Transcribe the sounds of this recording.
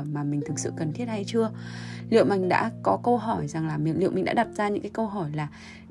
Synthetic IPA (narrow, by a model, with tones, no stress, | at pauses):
maː˨˩mï̟˨˩t̪ʰɨ˨˩k̚sɨ̰˧˨kə˨˩nt̪ʰi˦˥ət̚ha˧jt͡ɕɨ˧əlḭ˧˨wma˨˩ŋ̟ɗa̰ː˧˥kɔ˨˦kə˧wɦɔ˧˩jza˨˩ŋlaː˨˩mi˨˩˨lḭ˧˨mï˨˩ŋ̟ɗa̰ː˧˥ɗa˨˩t̚zaː˧ɲɨ̰˧˥ŋkaː˨˦kə˧wɦɔ˧˩jlaː˨˩